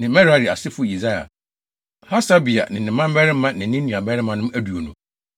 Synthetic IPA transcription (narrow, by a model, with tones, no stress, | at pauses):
nɪ̃˨mɛ̃˦ɾa˦ɾi˨a˨sɪ˦fʊ˦˨i˨za˦ja̰˨ | ha˦sa˦bi˨a̰˨nɪ̃˨nɪ̃˨mã˦m˦bɛ˦ɾɪ˦mːã˦nɪ̃˨˦nɪ̃˦nĩ˨a˨bɛ˦ɾɪ˦mã˨nʊ̃˦m˦æ˦du˨o˨nũ˨˦